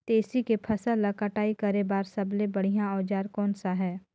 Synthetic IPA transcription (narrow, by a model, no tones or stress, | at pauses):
t̪eːsikepʰɐsəlːɐkɐʈaːikɐɾebaːɾsɐblẽbɐɽ̤ijãɔːd͡ʒaːɾkɔːnsaɦɛː